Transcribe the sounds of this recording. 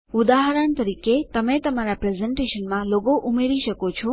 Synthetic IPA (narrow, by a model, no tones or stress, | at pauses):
ud̪aɦɾəɳt̪əɾiket̪əmẽt̪əmaɾapɾezeɳʈeʃənmãloɡoʔumeɾiʃəkot͡ʃʰɔ